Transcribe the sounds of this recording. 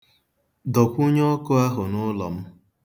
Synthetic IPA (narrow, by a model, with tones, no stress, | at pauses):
dɔ˨kʷu˦ɲɔ˦kʊ˦a˦ɦʊ˨nʊ˦lɔ̰˨m̩˦